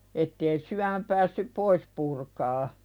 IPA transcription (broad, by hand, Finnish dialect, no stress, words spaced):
etːeː syæmæ pæːsːyp pois purkɑː